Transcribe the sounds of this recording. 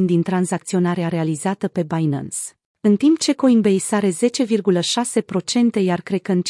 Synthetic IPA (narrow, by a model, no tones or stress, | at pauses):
nd̪int̪ɾanzak̚t̪sio̞naɾeaɾe̞alizat̪əpe̞bajna̰ns | ɨnt̪impt͡ʃe̞ko̞inbejsaɾe̞ze̞t͡ʃe̞virɡuləʃase̞pɾo̞t͡ʃe̞nt̪e̞jarkɾe̞d̪kəɨnt͡ʃ